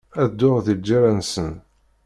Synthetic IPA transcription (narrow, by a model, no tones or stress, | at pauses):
æðd̪ːʊʁðid͡ʒːaɾansən